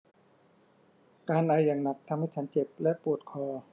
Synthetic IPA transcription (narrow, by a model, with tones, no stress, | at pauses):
kaː˧nʔaː˧jaː˨˩ŋna˨˩k̚t̪ʰa˧mha˥˩jt͡ɕʰa˦˥nt͡ɕe˨˩p̚lɛ˦˥ʔpu˨˩ət̪̚kʰɔː˧˩